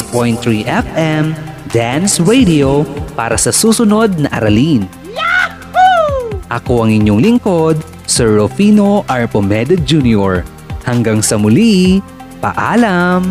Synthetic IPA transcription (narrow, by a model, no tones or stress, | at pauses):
pojnt̪ɹiʔɛfʔɛmd̪ansɹɛjd̪iopaːɾɐsɐsuːsʊno̞d̪̚nɐʔɐ̰ɾɐlin | ʔɐkoʔɐŋɪɲjoŋlɪŋko̞d̪̚ | sɛɹːofiːnoʔɐɹpomɛd̪ɐd͡ʒunɪoɹ | hɐŋɡaŋsɐmʊli | pɐ̰ʔa̰ːlɐm